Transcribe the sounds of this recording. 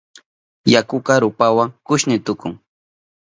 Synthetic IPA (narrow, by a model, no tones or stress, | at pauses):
jakʊkɑɾʊpawaŋkʊʃnɪt̪ʊkʊŋ